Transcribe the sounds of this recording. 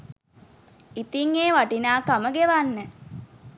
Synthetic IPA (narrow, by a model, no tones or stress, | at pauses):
it̪iŋeːʋaʈinaːkaməɡeʋanːə